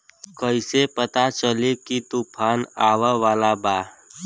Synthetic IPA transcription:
kəɪsepət̪at͡ʃəlekit̪upʰaːnaːʋəʋaːlabaː

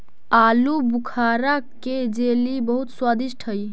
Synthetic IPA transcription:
alubukʰaɾaked͡ʒelibəɦut̪swad̪iʃʈʰɦəj

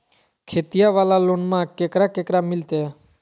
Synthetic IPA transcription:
kʰeːt̪ijaʋaːlaːloːnmãkeːkɾaːkeːkɾaːmɪlt̪e

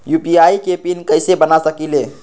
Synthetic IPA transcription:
jupiaikepinkəjsebənasəkile

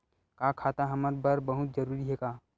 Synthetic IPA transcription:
kakʰaːt̪aɦɐməɾbəɾbəɦʊt̪̚d͡ʒəɾuːɾiɦeːkaː

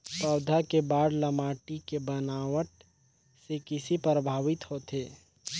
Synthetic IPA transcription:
pəːd̪ʱakebaːɽləmaːʈikebənaːwəʈ | sekɪsipɾəbʱaːʋɪt̪hoːt̪eː

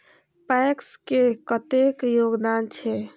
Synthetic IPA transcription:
pɛkskekət̪ekjoɡd̪ant͡ʃʰɛ

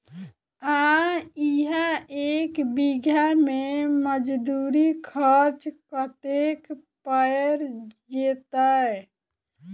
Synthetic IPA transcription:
ãiɦaekbiɡʱjameməd͡ʒd̪uɾikʰəɾt͡ʃkət̪ek | pəjɾd͡ʒet̪ə

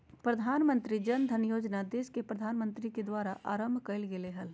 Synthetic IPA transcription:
pɾɐd̪ʱaːnmə̃nt̪ɾid͡ʒɐnd̪ʱənjoːd͡ʒnad̪eːskepɾɐd̪ʱaːnmə̃nt̪ɾiked̪waːɾaʔa̰ːɾəmbʱkəɪlɡeleɦəl

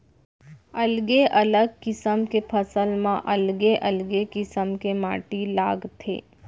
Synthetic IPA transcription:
ɐlɡeʔɐləɡ̚kɪsəmkepʰəsəlmãʔɐlɡeʔɐlɡekɪsəmkema̰ːʈilaːɡt̪ʰḛː

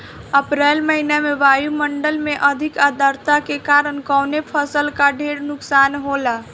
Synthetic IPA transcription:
əpɾɛlməɦinameʋaːjuməɳɖəlmeʔəd̪ʱikəd̪əɾt̪akekaɾənkənepʰəsəlkaɖʱeɽnʊksaːnɦola

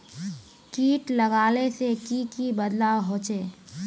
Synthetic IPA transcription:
kiːʈləɡaːlesekikibəd̪lawɦoːt͡ʃeː

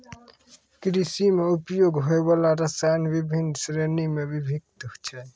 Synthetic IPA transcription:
kɾisimeupjoɡɦoebalaɾəsanbibʱinsɾenimebibʱik̚t̪ɦʊt͡ʃʰɛ

